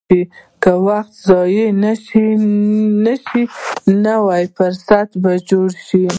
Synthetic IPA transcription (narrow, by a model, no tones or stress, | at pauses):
ikawaxt̪zɑjinaʃi | naʃinawɑjpəɾsat̪bad͡ʒoɽʃi